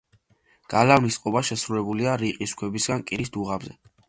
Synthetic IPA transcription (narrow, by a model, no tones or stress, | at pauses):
ɡ̥alavnisqʼɔbaʃɛsɾulɛbuliaɾiqʼiskʰwɛbisɡankʼiɾisd̪uʁabzɛ